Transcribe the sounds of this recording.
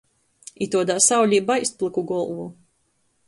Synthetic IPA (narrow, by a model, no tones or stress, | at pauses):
it̪uɔd̪aːsawlʲiːbajst̪̚plˠɨkuɡɔlˠvu